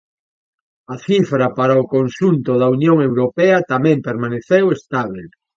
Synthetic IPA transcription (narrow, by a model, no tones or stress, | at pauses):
ɐθifɾɐpaɾaokonsunt̪oðɐunjoŋewɾopɛɐt̪amɛ̃mpeɾmaneθewest̪aβ̞el